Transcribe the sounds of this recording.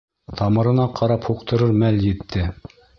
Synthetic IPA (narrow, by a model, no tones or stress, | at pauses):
t̪ʰɑmɤ̆ɾɤ̆nɑqʰɑɾɑphuqt̪ɤ̆ɾɤɾmæljɘ̆t̪ːɘ